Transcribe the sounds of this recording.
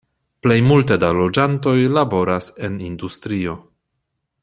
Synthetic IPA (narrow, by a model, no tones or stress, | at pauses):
ple̞jmulte̞dalo̞d͡ʒanto̞jlabo̞ɾase̞nindustɾio̞